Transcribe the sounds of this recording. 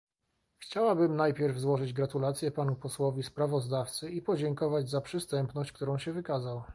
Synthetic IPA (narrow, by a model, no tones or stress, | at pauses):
xt͡ɕawabɘmnajpʲjɛɾvzwɔʐɘd͡ʑɡɾat̪ulat̪sʲjɛpanupɔswɔvʲispɾavɔzd̪aft̪sɘipɔd͡ʑɛŋkɔvad͡ʑzapʂɘst̪ɛmpnɔɕt͡ɕkt̪uɾɔ̃w̃ɕɛvɘkazaw